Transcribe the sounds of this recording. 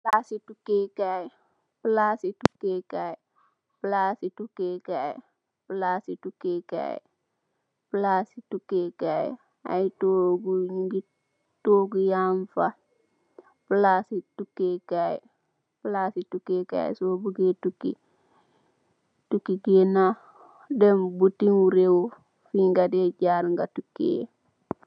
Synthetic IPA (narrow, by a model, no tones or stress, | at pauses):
plasitukekaj | plaːsitukekaj | plaːsitukeːkaj | plaːsitukeːka̰j̰ | plasitukeːkaj | a̰jtoːɡuɲuɡi | toːɡujaɱfa | plasitukːeːkaj | plasitukeka̰j̰sobuɡetuki | tukiɡena | dembutiŋwuɾew | fiŋɡadeɟaːɾŋɡatukḛ